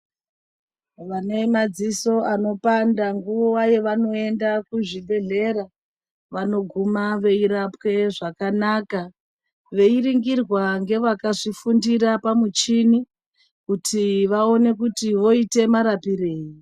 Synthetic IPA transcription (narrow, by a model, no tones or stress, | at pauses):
ʋanemad͡ziso̞ʔano̞pandaŋɡuʋowaje̞ʋano̞e̞ndakuʐibʱe̞ɮe̞ɾa | ʋano̞ɡʱumaʋe̞iɾapwe̞ʐakanaːka | ʋe̞iriŋɡirwaŋɡe̞ʋakaʐifundiɾapamut͡ʃini | kutʰiʋao̞ne̞kutiʋo̞ite̞maɾapiɾe̞ːji